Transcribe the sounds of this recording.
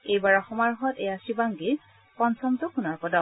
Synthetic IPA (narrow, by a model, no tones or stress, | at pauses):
ejbaɹaxɔmaɹɦɔtɛjasibaŋɡe | pɔnsʰɔmtʊkunɔɹkɔdɔ